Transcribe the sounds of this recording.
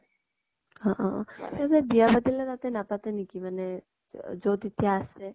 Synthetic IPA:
ɔ̃ʔɔ̃asɛbiabad̪ilɛt̪at̪ɛnapat̪ɛnikimanɛ | zot̪it̪ijaːsɛ

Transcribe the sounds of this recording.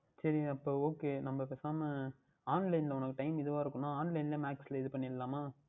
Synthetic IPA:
sɐɾiɐpːoːoːkeːnɐmːɐpeːsaːmɐ | aːnlɐɪnlɐʊnɐkːɯʈɐɪmɪðɯʋaːɪɾɯkːɯnːaːaːnlɐɪnlɐmaːksɪlɐɪðɯpɐɳːɪlːaːmaː

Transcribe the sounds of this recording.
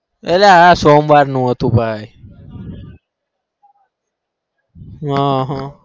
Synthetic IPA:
elaɦaːsoːmʋaːɾnũːɦət̪ũːbʱaːj | ɦãːɦã

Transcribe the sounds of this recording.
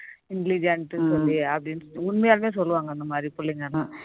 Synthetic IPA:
iŋɡlid͡ʒɐɳʈːɨsolːiɐpɐɽinʊɳmejaːlmeːs̬ɔlːuʋaːŋɡɐind̪ɐmaːd̪ɾipuɭːiŋan

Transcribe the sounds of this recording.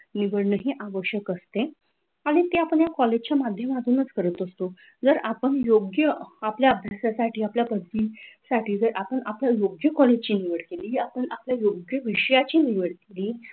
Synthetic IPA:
niʋəɽnəɦiʔaʋəɕjəkəst̪e | aɽ̃it̪eapəɳjakɔled͡ʑt͡ɕjamad̪ʱjəmat̪uːnət͡skəɾət̪əst̪o | d͡zəɾapəɳjoɡjəapljaəbʱjasasaʈʰiːapljabəd̪ʋiːsaʈiːd͡zəɾʔapəɳapljajoɡjəkɔled͡ʑt͡ɕiːniʋəɽkeliːapəɳapljajoɡjəʋiɕəjat͡ɕiːniʋəɽkeliː

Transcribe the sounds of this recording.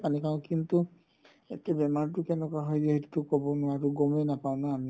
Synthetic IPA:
panikãʊ̃kintu | ḛtɛbɛmaɹtʊkɛnɛkaɦɔjzeɦetu̥tʊkɔbɔnʊwaɹuɡɔmejnapaʊ̃naːmi

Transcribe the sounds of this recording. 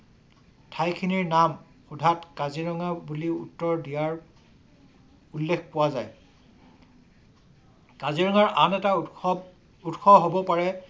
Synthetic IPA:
tʰajkʰiniɹnam | xudʱatkaziɹɔŋabuliṵtːɔɹdijaɹ | ulːekʰpʊwazaj | kaziɹɔŋaɹʔanɛta | utxʰɔɦobɔpaɹɛ

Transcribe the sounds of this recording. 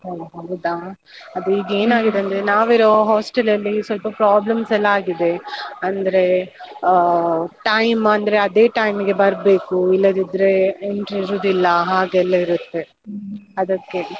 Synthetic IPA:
ɐɦaːɡɐd̪a | ɐd̪uiːɡeːnaːɡid̪eɐnd̪ɾnaːʋiɾoɦaːsʈɐlɐlːisʋɐlpɐpɾaːblɐmsɛlːɐaːɡid̪e̞ɐnd̪ɐɾe̞ | ʈɐjmɐnd̪ɐɾe̞ɐd̪e̞ːʈɐjmiɡe̞bɐɾbe̞ːkuilːɐd̪id̪ɾe̞eɳʈɾiɾud̪ilːɐɦaːɡɛlːɐiɾut̪ːe̞ | ɐd̪ɐkːe

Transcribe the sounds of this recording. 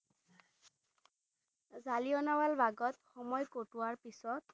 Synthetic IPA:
zalijɔnawalbʱaɡɔtxɔmɔjkotʊwaɹpisɔt̚

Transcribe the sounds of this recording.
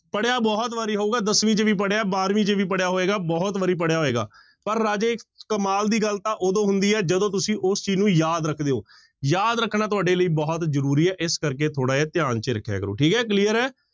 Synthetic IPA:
pəɽjaːbɔːt̪ʋaːɾiːɦoːɡaːd̪əsʋĩːt͡ʃəʋiːpəɽjaːbaːɾʋĩːt͡ʃəʋiːpəɽjaːɦoːeːɡaːbɔːt̪ʋəɾiːp̬əɽjaːɦoːeːɡa̰ː | pəɾːaːd͡ʒeːɪkːəmaːld̪iːɡəlt̪ãːʔoːd̪õːɦʊ̃nd̪iːɛːd͡ʒəd̪õːt̪̬ʊsĩːʔʊst͡ʃiːznũːjaːd̪ɾəkʰd̪eːɦoː | jaːd̪ɾəkʰːnaːt̪ʊaːɖeːləiːbɔːt̪zəɾuːɾiːɛːʔɪskəɾkeːt̪ʰoːɽaːɛːt̪ɪjaːnt͡ʃeɾəkʰːja̰ːkəɾo̰ːʈʰiːkɦɛːk̬liːəɾɛː

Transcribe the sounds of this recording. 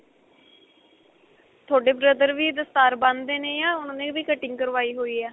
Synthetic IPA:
t̪ʰoːɖeːbɾəd̪əɾʋiːd̪əst̪aːɾbãnd̪eːnẽːjãːʊnːnẽːʋiːkəʈɪ̃ŋkəɾʋaːiːɦoːiːɛː

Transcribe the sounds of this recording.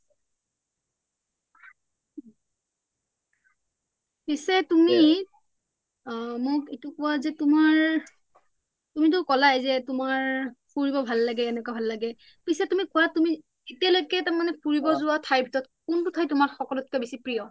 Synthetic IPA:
pisɛtumi | mʊkitʊkʊwazɛtʊmaɹ | tumit̬ʊkɔlajzɛtʊmaɹpʰuɹibɔbʱalːaɡɛːnɛkabʱalːaɡɛ | pisɛtumikʊwatumi | etialojkɛtaɹmanɛpʰuɹibɔzʊwatʰajbʱitɔtkuntʊtʰajtʊmaɹxɔkɔlɔt̚kɛbisipɹijɔ

